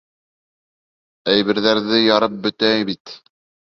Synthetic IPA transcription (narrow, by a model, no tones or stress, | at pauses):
æjβɘ̆ɾðæɾðɘjɑɾɤp̚bɵ̆t̪æjβit̪